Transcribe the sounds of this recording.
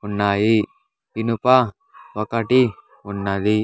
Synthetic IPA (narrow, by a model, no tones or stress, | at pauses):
unːaːji | pinupa | ʋɐkɐʈi | unːɐd̪i